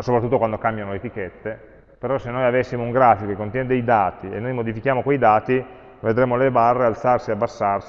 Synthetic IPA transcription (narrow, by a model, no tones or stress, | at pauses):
sopɾat̪ːut̪ːokwand̪okambjanolet̪iket̪ːe | peɾɔsːenːojavesːimouŋɡɾaːfikokekːont̪jɛned̪ejd̪aːt̪iḛnːojmod̪ifik̟jaːmokwejd̪aːt̪i | ved̪ɾeːmolebarːealt̪sarsieabːasːars